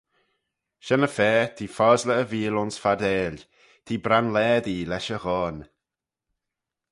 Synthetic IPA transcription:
ʃɛnəfɛːt̪ʰiːfɔːzləːviːlʊnsfadeːl | t̪ʰiːbɾanlɛːdiːlɛʃəɣɔːn

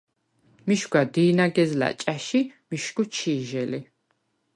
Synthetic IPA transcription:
miʃɡad̪iːnaɡɛzla̰t͡ʃʼaʃimiʃɡut͡ʃʰiːʒɛli

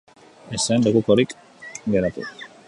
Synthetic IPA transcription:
esenlekuko̞ɾik | ɡe̞ɾat̪u

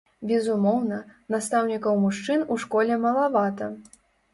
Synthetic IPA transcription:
bʲɛzumɔwnɐnast̪awnʲikɐwmuʂt͡ʂɨnuʂkɔlʲɛmɐlˠavat̪ɐ

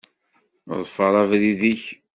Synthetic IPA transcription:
ðˤfəɾˤɑvðiðiç

